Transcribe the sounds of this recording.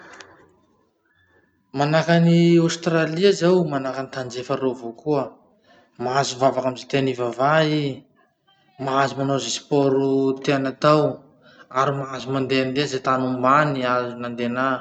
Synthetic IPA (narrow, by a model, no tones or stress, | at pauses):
manakaniawst̪raliazawmanakanit̪and͡ʒefəɾevokuə | maazuvavakamizet̪enivavai | maazumanozesi̥pɔɾut̪eanat̪aw | aɾimaazumand̪eand̪ezet̪anumbaniazunand̪ena